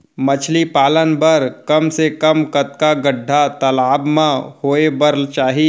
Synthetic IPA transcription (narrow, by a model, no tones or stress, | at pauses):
mɐt͡ʃʰlipaːlənbəɾkɐmsekəmkɐt̪kaɡəɖʱːat̪ɐlaːbmãhoːebəɾlt͡ʃaːɦi